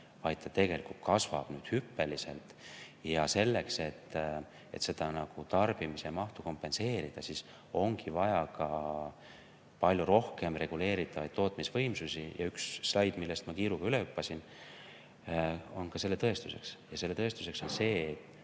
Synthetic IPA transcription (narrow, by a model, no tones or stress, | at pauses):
vɑjd̪̥̚t̪ːɑt̪e̞ɡe̞likult̪̚kɑsv̥ɑ̰b̥nyːd̪̥hypːe̞lise̞̰lt̪jɑse̞lːe̞kse̞t̪ː | e̞̰t̪se̞d̪̥ɑnɑɡ̥ut̪ɑrb̥imisemɑht̪uko̞mpːe̞nse̞ːɾid̪̥ɑsis | o̞ŋɡ̥ivɑjɑkɑ | pɑlʲjuɾo̞hke̞mre̞ɡ̥ule̞ːɾit̪ːˑɑvɑ̰jd̪̚o̞ːt̪ˑmisvɤjmsusijɑ̰yksːlɑjd̪̥milːe̞st̪mɑkiːɾuɡ̥ɑyleypˑːɑsin | o̞nkɑse̞lːe̞t̪ɤe̞st̪use̞̰ksjɑse̞lːe̞t̪ɤe̞st̪u̥se̞kso̞nse̞ːt̪ːˑ